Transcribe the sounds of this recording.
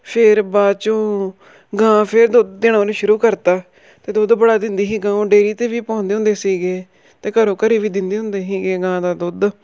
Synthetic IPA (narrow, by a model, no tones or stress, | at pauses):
pʰɪɾbaːt͡ʃõː | ɡãːpʰɪɾd̪ʊd̪ːɪɳaːɾiːʃʊɾuːkəɾt̪aː | t̪eːd̪ʊd̪bəɽaːd̪ɪnd̪iːɦiːɡãːõːɖeːɾiːt̪eːʋiːpɔ̃ːnd̪eːɦʊ̃nd̪eːsiːɡeː | t̪eːkəɾõːkəɾiːʋiːd̪ɪnd̪eːɦʊ̃nd̪eːɦiːɡeːɡãːd̪aːd̪ʊd̪